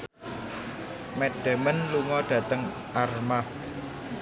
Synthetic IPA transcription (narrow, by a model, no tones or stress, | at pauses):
meɖ̥ɛ̤mənluŋɔɖ̥ä̤t̪əŋ | ʔarmah